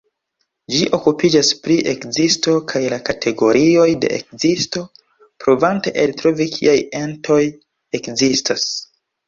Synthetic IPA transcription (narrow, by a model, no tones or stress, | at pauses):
d͡ʒiʔo̞kupid͡ʒaspɾiʔe̞kzisto̞kʰajlakatʰe̞ɡo̞ɾio̞jde̞̰ʔḛk̚zisto̞ | pɾovante̞ʔeltɾo̞vikʰḭaje̞ntʰo̞j | e̞kzistas